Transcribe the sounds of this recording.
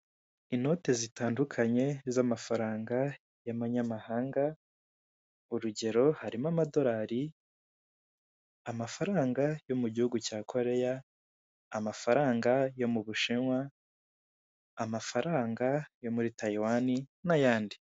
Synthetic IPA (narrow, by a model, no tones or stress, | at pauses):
ino̞ːte̞zitaːndukʰaɲe̞zamafaɾaːŋɡa | jamaɲamahaːŋɡa | uɾuɟe̞ɾo̞haɾimamado̞ɾaːɾi | amafaɾaːŋɡajo̞muɟihuɡucaːkʰo̞ɾe̞jaː | mafaɾaːŋɡajo̞muβuʃiŋwa | mafaɾaːŋɡajo̞muɾitaiwaninajaːndi